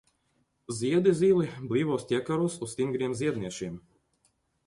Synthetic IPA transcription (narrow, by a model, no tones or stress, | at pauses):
zʲiɛd̪izʲiːlˠiblʲˠiːvɔːst̪ʲiɛkaɾuɔsust̪ʲiŋɡɾiɛmziɛd̪niɛʃiːm